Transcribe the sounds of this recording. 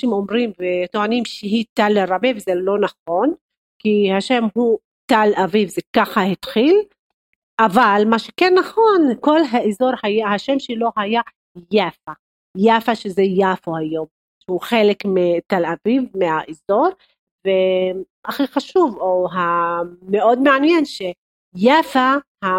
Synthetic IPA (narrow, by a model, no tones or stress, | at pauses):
ʃimomʁimvet̪oanimʃeɦit̪aleɾabevzelo̞naχo̞n | kihaʃemɦu | t̪alʔavivzekaχahit̪χil | ʔavalmaʃekenːaχo̞nko̞lɦaʔezo̞ɾhajahaʃemʃelo̞ɦaja | jafa | jafaʃezejafohajo̞m | ʃeuχelekmet̪alavivmeaʔizoʁ | ve | ʔaχiχaʃuvoɦameʔo̞d̪meanjenʃe | jafaha